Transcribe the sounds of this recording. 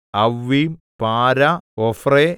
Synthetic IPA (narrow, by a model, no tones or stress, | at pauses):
ɐʋːipaːɾɐofre